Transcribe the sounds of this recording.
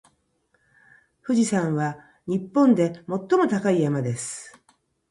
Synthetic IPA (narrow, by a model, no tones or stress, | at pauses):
ɸɯ̟ʑisãɰ̃βa | ɲ̟ipːõ̞nd̪e̞mo̞t̪ːo̞mo̞t̪akaijamad̪e̞sɨ̥